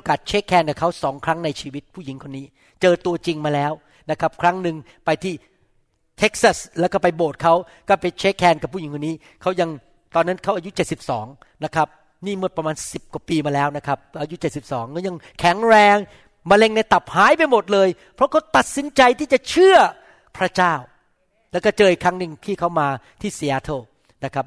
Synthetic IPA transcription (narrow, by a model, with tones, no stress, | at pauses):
kaː˨˩t̪̚t͡ɕʰeː˦˥kʰːɛː˧nka˨˩pkʰa˦˥wsɔː˩˦ŋkʰɾa˦˥ŋna˧jt͡ɕʰiː˧wi˦˥t̪̚pʰu˥˩ji˨˩˦ŋkʰo˧nːiː˦˥ | t͡ɕɤː˧t̪u˧ɐt͡ɕi˧ŋmaː˧lɛː˦˥w | na˦˥kʰa˦˥p̚kʰɾa˦˥ŋnɯ˨ŋ | pa˧jt̪ʰiː˥˩ | t̪ʰe˦˥k̚sa˥˩slɛː˦˥wkɔː˥˩pa˧jboː˨˩t̪̚kʰa˦˥w | kɔː˥˩pe˧nt͡ɕʰeː˦˥kʰːɛː˧nka˨˩p̚ʰːuː˥˩ji˨˦kʰo˧niː˦˥ | kʰa˦˥wja˧ŋ | t̪ɔː˧nːa˦˥nkʰa˦˥wʔaː˧ju˦˥t͡ɕe˨˩t̪̚si˨˩p̚sɔː˩˦ŋ | na˦˥kʰɾa˦˥p̚ | niː˥˩mu˥˩t̪̚pɾa˧maː˧nsi˨˩p̚ka˨˩piː˧maː˧lɛː˦˥wna˦˥kʰa˦˥p̚ʔaː˧ju˦˥t͡ɕe˨˩t̪̚si˨˩p̚sɔː˩˦ŋkʰa˦˥wja˧ŋkʰɛ˩˦ŋɾɛː˧ŋ | maː˧le˥˩ŋna˧jt̪a˨˩p̚haː˦˥jpa˧jmo˨˩t̪̚lɤː˧j | pʰɾɔ˦˥kʰa˦˥wt̪a˨˩t̪̚si˨˩˦nt͡ɕa˧jt̪ʰiː˥˩t͡ɕa˨˩t͡ɕʰɯ˥˩ɐ | pʰɾa˦˥t͡ɕaː˥˩w | lɛː˦˥wkɔː˥˩t͡ɕɤː˧i˨˩kʰɾa˦˥ŋnɯ˨˧ŋt̪ʰiː˥˩kʰa˦˥wmaː˧ | t̪ʰiː˥˩siː˧˥ʔaː˧˦t̪ʰoː˥˩ | na˦˥kʰa˦˥p̚